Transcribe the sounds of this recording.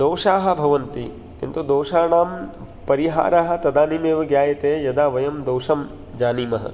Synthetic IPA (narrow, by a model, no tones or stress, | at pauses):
d̪oːʂaːɦɐ̆bʱɐʋɐnt̪i | kḭnt̪ud̪oːʃaːɳaːm | pɐɾiɦa̰ːɾaːɦɐ̆t̪ɐd̪aːnimeːʋɐɡjaːjɐt̪eːjɐd̪aːʋɐjɐmd̪oːʃɐm | d͡ʒaːniːmɐɦɐ̰